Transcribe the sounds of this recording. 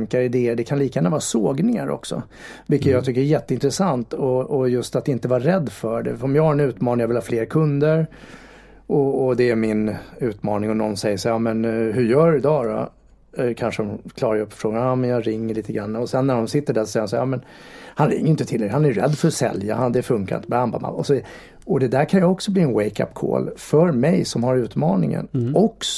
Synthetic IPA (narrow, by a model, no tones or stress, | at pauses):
ŋkaɾɪd̪eːəɖɛkʰanliːkajæːnavɑːsoːɡnɪŋaɾʔɔ̰ksɔ̰ | vɪlkːət̪jɑɡt̪ʰʏkːəɾæjɛt̪ːəɪnt̪ɾəsant̪ɔɔjɵst̪at̪ɪnt̪əvɑɾɛd̪ːfœɖɛ̰ɔmjɑːɡhaɾɛnʉ̟ːt̪mɑːnɪŋjavɪlhɑːfleːɾkʰɵnd̪əɾ | ʔɔɔd̪ɛæɾmɪnʉ̟ːt̪mɑːnɪŋɔnɔnːsɛjːəʂajɑmɛnɦɵjœːɖɵɪd̪ɑːɾɔ̰ | kʰanʂəd̪ɔmkʰlɑːɾajɵpːɔ̥fɾoːɡanɑmɛnjɑɾɪŋːəɭiːt̪əɡɾanːaɔsɛnːæɖɔmsɪt̪ːəɖæʂɔsɛjːhansajɑːmɛn | hanɾɪ̰ŋːəjʏɪnt̪ət̪ʰɪld̪ɛhanæɾjɾɛ̰d̪ːfœɾɔsɛ̰lja̰hand̪ɛfɵŋkaɾɪ̰nt̪əbɛhamba̰ma̰mɔsɔviːa | ɔd̪ɛd̪æɾkʰanjaɔksɔbliːɛnwɛjka̰pːkʰo̰ːlfœɾmɛjsɔmhaɾʉ̟ːt̪mɑːnɪ̰ŋə̰nɔks